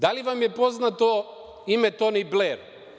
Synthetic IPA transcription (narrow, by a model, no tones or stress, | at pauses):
d̪aliʋamjepoznat̪o | imɛt̪onibleɾ